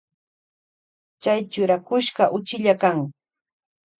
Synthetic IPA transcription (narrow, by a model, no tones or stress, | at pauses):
t͡ʃajt͡ʃʊɾakʊʃɢɑʔʊt͡ʃɪʎakaŋ